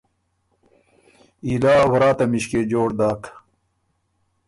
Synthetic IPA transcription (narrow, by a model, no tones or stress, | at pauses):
ilaːwɐɾaːt̪ɐmiɕked͡ʑoːɽd̪aːk